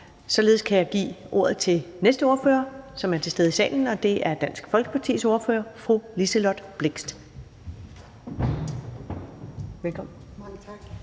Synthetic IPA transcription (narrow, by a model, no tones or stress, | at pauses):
sɒ̽le̝ːðˠskʰæjɑ̈ɪɡ̥ḭːʔo̝ɐð̩ˠt͡sʰe̝lnesd̥əo̝ɐfø̰ːɐsɒ̽mæɐt͡sʰe̝sdeð̩ˠisɛ̰ːln̩ɒ̽d̥e̝ʔæɐd̥æn̰sɡ̥fɒ̽lɡ̥ə̥pʰɑ̈t͡sʰḭːso̝ɐfø̰ːɐfʁulisəlɒd̥b̥le̝ɡ̥sd̥ | ʋelkʰɒ̥